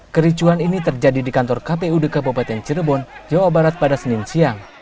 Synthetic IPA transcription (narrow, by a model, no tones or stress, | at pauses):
kəɾit͡ʃuaninit̪ərd͡ʒadidikant̪ɔrkapeudəkapɔpat̪ɛnt͡ʃirbɔnd͡ʒawabaɾat̪̚padasəninsiaŋ